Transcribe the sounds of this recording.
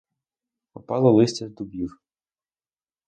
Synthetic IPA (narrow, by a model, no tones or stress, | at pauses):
pɔpɑlˠɔlˠɪsʲtʲɐd̪ʊbʲir